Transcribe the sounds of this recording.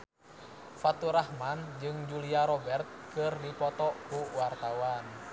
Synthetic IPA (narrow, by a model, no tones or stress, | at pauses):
fat̪uɾahmand͡ʒɨŋd͡ʒuliaɾɔbɛrt̪̚kɨrdipɔt̪ɔkuwart̪awan